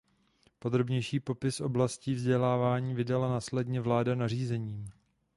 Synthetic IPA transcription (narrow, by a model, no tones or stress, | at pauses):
po̞d̪ɾo̞bɲɛjʃiːpo̞pɪsʔo̞blasciːvzɟɛlaːvaːɲiːvɪdalanaːslɛdɲɛvlaːdanariːzɛɲiːm